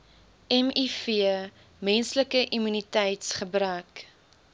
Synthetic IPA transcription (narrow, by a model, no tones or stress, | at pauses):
ɛmifiə | mɛnsləkəʔimynitɛjtsχəbɾœːk